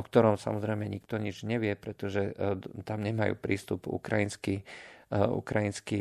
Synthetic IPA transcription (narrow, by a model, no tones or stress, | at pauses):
ɔk̚t̪ɔɾɔmsa̰mɔzɾɛɪmɛɲikt̪ɔɲid͡ʒɲɛʋɪɛpɾɛt̪ɔʒɛt̪amɲɛmajṵːpɾiːst̪ubṵkɾajinski | ṵkɾajinski